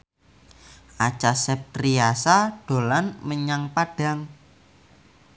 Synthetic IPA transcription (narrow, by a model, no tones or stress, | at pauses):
ʔat͡ʃasɛp̪̚riasaɖ̥o̤lanməɲaŋpaɖ̥a̤ŋ